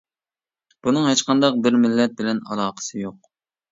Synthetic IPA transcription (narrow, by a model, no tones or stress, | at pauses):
b̥unɨŋɦet͡ʃqʰɑnd̪ɑq̚bɪɾmɪlːɛt̪̚bɪlɛnɑ̰lˠɑːqʰə̥sɨjoq̚